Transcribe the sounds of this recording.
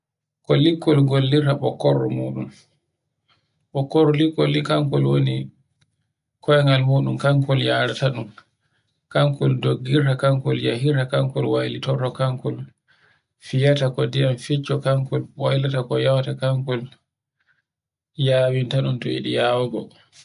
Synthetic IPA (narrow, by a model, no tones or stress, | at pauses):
kɔlikːɔlɡolːiɾtaɓɔkːɔɾːɔ̰muːɗṵm | ɓɔkːɔɾɔlikːɔlːikaŋkɔlwoni | kʰɔjɛŋalmuːɗumkaŋkɔljaɾataɗum | kaŋkɔldoɡːiɾtakaŋkɔljaɦiɾtakaŋkɔlwajlitɔrɔkaŋkɔl | fijatakɔdijamfit͡ʃːɔkaŋkɔlwajlatakɔjawatakaŋkɔl | jaːwintaɗuntɔḭɗḭjaːwɡɔ